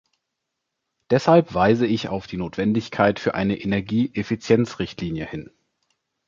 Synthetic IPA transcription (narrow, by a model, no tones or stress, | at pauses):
d̥ɛshalpv̥aɪzəɪça̰ʊfd̥iːnoːtv̥ɛndɪçkʰaɪtfyːɐʔaɪnəʔenɛɐɡiːʔefit͡sjɛnt͡sʁɪçtʰliːnjəhɪn